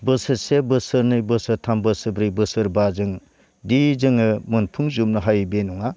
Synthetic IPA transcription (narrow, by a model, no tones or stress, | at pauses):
bɯsɯɾsebɯsɯɾnɯjbɯsɯɾtʰambɯsɯbɾijbɯsɯɾbazɯŋ | dizɯŋɯmɯnpʰɯŋzumnɯɦajbenuŋa